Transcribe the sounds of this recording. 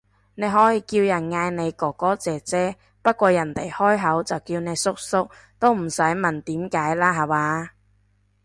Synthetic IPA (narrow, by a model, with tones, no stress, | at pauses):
ne˨˧jɦɔː˨˥jiː˨˧kiː˧wjɐ˨˩nŋaː˧jne˨˧jkɔː˨˩kːɔː˨˥t͡sɛː˨˩t͡sɛː˥ | pɐ˥t̚kʷɔː˧jɐ˨˩nt̪e˨˩jhɔː˥jɦɐ˨˥wt͡sɐ˨wkiː˧wne˨˧jsʊ˥k̚sʊ˥k̚ | t̪o˥wm̩˨˩sɐ˨˥jmɐ˨nt̪iː˨˥mkaː˨˥jlaː˥ɦɐ˨waː˨˧